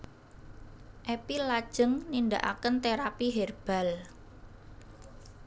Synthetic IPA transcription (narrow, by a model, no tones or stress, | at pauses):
ʔepilad̥ʒ̥ə̤ŋnind̪a̰ʔa̰kənt̪eɾapiɦerb̥a̤l